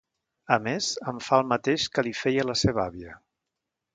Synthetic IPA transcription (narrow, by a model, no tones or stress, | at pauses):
əmezəɱfalˠmət̪eʃkəlifɛjələseβaβiə